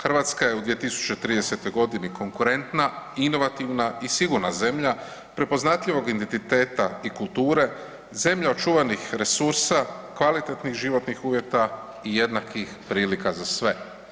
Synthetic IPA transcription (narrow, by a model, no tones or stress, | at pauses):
xr̩ʋat̪skajeud̪ʋiet̪isu̥t͡ʃet̪ɾiːd̪e̞se̞t̪o̞jɡo̞d̪inikʰo̞ŋkuɾe̞nt̪naino̞ʋat̪iʋnaisiɡuɾnaze̞mʎa | pɾe̞po̞znat̪ʎiʋo̞ɡind̪ent̪it̪e̞ːt̪aikulˠt̪uːɾe̞ | ze̞mʎaot͡ʃuːʋanixɾe̞suɾsakʋalit̪e̞t̪nixʒiʋo̞t̪nixuːʋje̞t̪a | ije̞d̪nakixpɾiːlikazasʋe̞